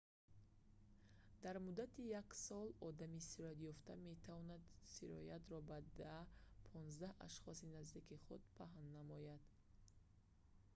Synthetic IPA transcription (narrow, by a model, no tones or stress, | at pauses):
d̪̥aɾmud̪at̪ʰijaksɔlɔd̪amisiɾɔjat̪jɔft̪ame̞t̪ʰavɔnad̪siɾɔ̰jat̪ɾɔbad̪apʰɔnzd̪aha̰ʃχɔsinazd̪ikiχud̪̚pʰaɦnːamɔjad̪̥